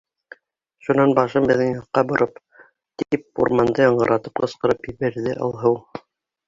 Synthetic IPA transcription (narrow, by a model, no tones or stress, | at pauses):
ʃunɑnbɑʃɤmbɘ̆ðɘŋjɑqːɑbŏɾʔɤp | t̪ip̚ṵɾmɑnd̪ɤjɑɴɢɤ̆ɾʔɑt̪ɤp̚qɤ̆sqɤ̆ɾɤpjɘ̆βæ̆ɾðɘʔɑ̰lˠɦɤw